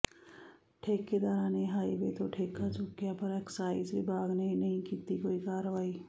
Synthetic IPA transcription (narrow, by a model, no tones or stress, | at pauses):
ʈʰeːkːed̪aːɾãːnẽɦaːibet̪oʈʰeːkːad͡ʒʊkːjapəɾɛːksaːisibʱaːɡnɐɦĩnɐɦĩkiːt̪ikoːikaːɾʋaːiː